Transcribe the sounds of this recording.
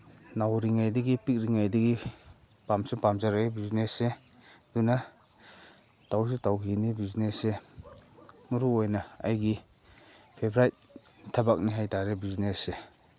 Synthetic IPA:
nawɾiŋajdɐɡipik̚ɾiŋajdɐɡi | pamsupamzaɾaibiznese | duna | taws̬itawɦinibiznese | muɾuojnaa̰jɡi | pʰebɾajt̚ | tʰːabak̚niɦajtaɾebiznese

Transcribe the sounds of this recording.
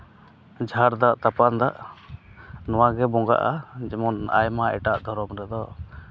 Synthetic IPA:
d͡ʒʱaɾd̪aʔt̪apand̪aʔ | nɔwaɡɛbɔŋɡa̰ʔad͡ʒɛmɔna̰jmaɛʈaʔd̪ʱɔɾɔmɾɛd̪ɔ

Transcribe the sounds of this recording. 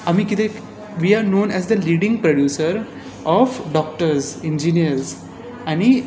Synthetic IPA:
amikid̪e | ʋiːaːɾnõːnɛzd̪əliːɖɪ̃ŋɡpɾoɖjuːsəɾ | ɔfɖɔːk̚ʈəɾzẽnd͡ʒĩniəɾz | ãni

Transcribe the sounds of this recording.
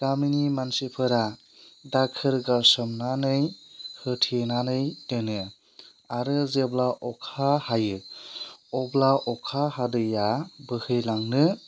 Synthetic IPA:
ɡaminimansipʰɯɾa | dakʰɯɾɡasɯmnanɯjhɯtʰinanɯjdɯnɯ | aɾɯzeblaʔɔkʰahajɯ | ɔblaɔkʰahadɯjabɯhɯjlaŋnɯ

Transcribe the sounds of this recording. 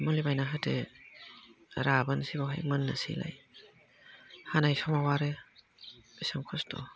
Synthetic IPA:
munlibajnaɦatʰe | ɾabansibawɦa̰jmɯnːa̰sḭla̰j | hanajsɔmawaɾe̥ | isɯŋkʰɔstʰɔ̰

